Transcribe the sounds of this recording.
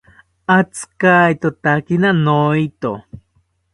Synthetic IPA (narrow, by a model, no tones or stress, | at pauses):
at͡skajt̪ot̪akinanoit̪o